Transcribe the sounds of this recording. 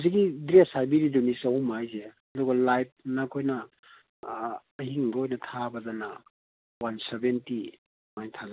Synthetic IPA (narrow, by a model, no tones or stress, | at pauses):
zikːidɾesajbiɾidunisɐhumajzeɐduɡɐlajp̚nɐkʰojnɐ | hiŋbɐojnɐtʰabɐdanɐ | wansebenti | majntʰaza